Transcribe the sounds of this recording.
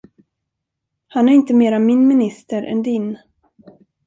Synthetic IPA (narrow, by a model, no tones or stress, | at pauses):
hanæɾɪnt̪əmeːɾamɪnmɪnɪst̪əɾʔɛ̰nd̪ɪn